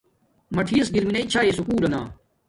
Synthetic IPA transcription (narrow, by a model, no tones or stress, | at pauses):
mɐʈʰiːɐsɡiɾmineit͡ɕʰaːeːsukuːlɐna̰ː